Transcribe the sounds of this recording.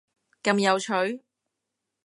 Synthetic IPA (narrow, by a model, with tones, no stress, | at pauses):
kɐ˨˧mjɐ˨˧wt͡ʃʰɵ˨˥ɥ